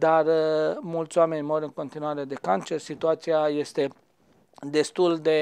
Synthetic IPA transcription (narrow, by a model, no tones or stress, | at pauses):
d̪armult̪sʲoame̞nʲmo̞ɾʲɨŋko̞nt̪inuaɾe̞d̪e̞kant͡ʃe̞rsit̪uat̪siaje̞st̪e̞ | d̪e̞st̪uld̪e̞